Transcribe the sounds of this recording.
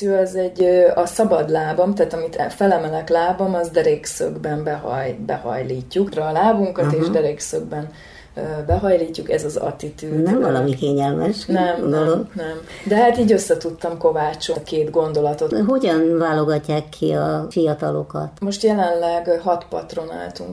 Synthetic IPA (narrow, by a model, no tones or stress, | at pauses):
yɒzɛɟːøɒsɒbɒd̪laːbɒmt̪aːt̪ɒmit̪ɛfɛlɛmɛlɛklaːbɒmɒzd̪ɛɾeːksø̰ɡbɛmbɛɦɒ̰jbɛ̰hɒ̰jliːcːukrɒːlaːbuŋkɒt̪eːʒd̪ɛɾeksøɡ̚bɛn | øbɛɦɒjliːcːukɛzɒzɒ̰t̪it̪yːnɛɱvɒlɒmikeːɲɛlmɛʃnɛmd̪oloɡnɛmd̪ɛɦat̪iːɟøsːɛt̪ut̪ːɒmko̞vaːt͡ʃokeːd̪ɡo̞nd̪o̞lɒt̪o̞ɦoɟɒnvaːloɡɒcːaːkʰːiɒfijɒt̪ɒlokɒ̰t̪mo̞ʃt̪jɛlɛnlɛɡɦɒt̪pɒ̰t̪ro̞na̰ːlt̪uŋk